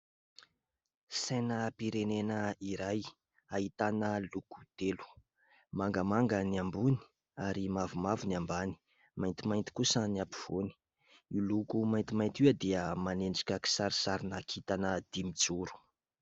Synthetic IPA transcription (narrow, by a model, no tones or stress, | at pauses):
senəpiɾenenəiɾaj | aɦit̪anəluku̥d̪̥elu̥ | maŋɡəmaŋɡənambuni̥ | aɾimavumavunambani̥ | majnt̪imajnt̪i̥kusəniapi̥v̥oni̥ | ilukumajnt̪imajnt̪iad̪iəmaneɳɖ͡ʐḁkʲaki̥saɾisaɾinakʰit̪anəd̪̥imit͡suɾu̥